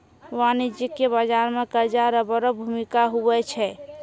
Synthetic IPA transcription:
ʋanid͡ʒikːebəd͡ʒaɾmekəɾd͡ʒaɾəbəɾəbʱumikaɦuɛt͡ʃʰɛ

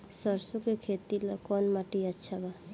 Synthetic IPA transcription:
səɾsukekʰet̪ilɔkɔnmaʈiətːʃʰaba

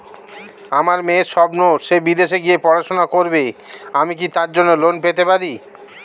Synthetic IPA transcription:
amaɾmeʃɔbnoʃebid̪eʃeɡiepɔɾaʃonakoɾbeamikit̪aɾd͡ʑonːolonpet̪epaɾi

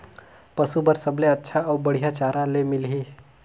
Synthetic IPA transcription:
pəsubəɾsəbleətːʃʰaəwbəɽ̤jat͡ɕaɾalemilɦi

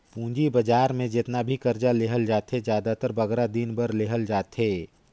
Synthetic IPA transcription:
pũːd͡ʒibəd͡ʒaːɾmẽd͡ʒɪt̪nabʱikɐɾd͡ʒaleːɦəld͡ʒaːt̪ɦed͡ʒjaːd̪at̪əɾbɐɡɾad̪inbəɾleːɦəld͡ʒaːt̪ɦeː

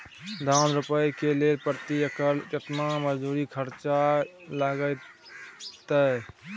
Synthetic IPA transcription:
d̪ʱanɾupəjkelelpɾət̪iəkəɾət̪naməd͡ʒd̪uɾikʰəɾt͡ʃalaɡəj | t̪ə

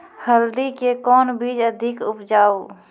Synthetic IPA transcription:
həld̪ikekɔːnbiːd͡ʒəd̪ʱɪkʊpd͡ʒaːo

